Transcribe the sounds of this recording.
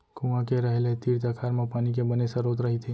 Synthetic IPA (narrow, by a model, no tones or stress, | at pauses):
kũʋãkeɾəɦelet̪iːɾt̪akʰaːɾmãpaːnik̬ebənesəɾot̪ɾəɦit̪ʰe